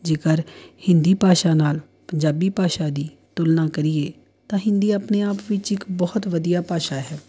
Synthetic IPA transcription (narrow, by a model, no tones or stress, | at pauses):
d͡ʒeːkəɾhɪ̃nd̪iːpaːʃaːnaːl | pəɲd͡ʒaːbiːpaːʃaːd̪iː | t̪ʊlnaːkəɾɪeː | t̪ãːɦɪ̃nd̪iːapneːaːpʋɪt͡ʃɪkbɔːt̪ʋəd̪ijaːpaːʃaːɦɛː